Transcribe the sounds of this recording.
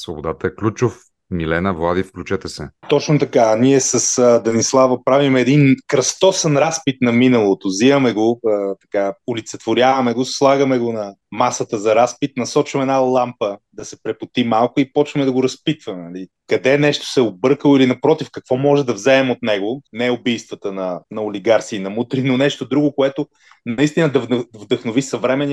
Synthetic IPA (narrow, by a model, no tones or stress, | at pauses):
svobod̪at̪əɛklʲut͡ʃʊf | milɛnəvlˠad̪ifklʲut͡ʃɛt̪ɛsɛt̪ɔt͡ʃnot̪ɐkaniɛsəsd̪ɐnislˠavəpɾavimɛɛd̪inkɾɐst̪ɔsɛnɾaspit̪nɐminɐlˠot̪ʊzivəmɛɡoət̪ɐ̥kaʊlit̪sɛt̪vʊɾʲjavɐmɛɡoslˠaɡəmɛɡonɐmasət̪əzɐɾaspit̪nɐsɔt͡ʃvəmɛd̪nalˠampəd̪ɐsɛpɾɛpʊt̪imalˠkʊipɔt͡ʃvɐmɛd̪ɐɡoɾɐspit̪vɐmɛnɐli | kɐd̪ɛnɛʃt̪o̥sɛobɤɾkəlˠoilinɐpɾɔt̪ifkɐkvɔmɔʒɛd̪ɐvzɛːmot̪nɛɡonɛʊbijst̪vɐt̪ənɐnɐoliɡaɾsiːnɐmut̪ɾinonɛʃt̪od̪ɾuɡokoɛt̪ʊ | nɐist̪inəd̪ɐvvd̪ɐxnovisɐvɾɛmɛni